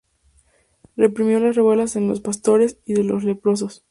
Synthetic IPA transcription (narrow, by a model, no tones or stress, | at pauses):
re̞pɾimjo̞lasreβwe̞lasenlospast̪o̞ɾesiðe̞lo̞sle̞pɾo̞s̬o̞s